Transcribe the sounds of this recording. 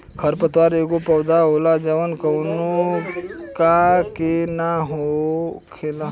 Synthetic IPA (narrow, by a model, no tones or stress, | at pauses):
kʰəɾpət̪waːɾeːɡopɐwd̪aɦoːlad͡ʒəʋənkəwno | kakenaɦokʰela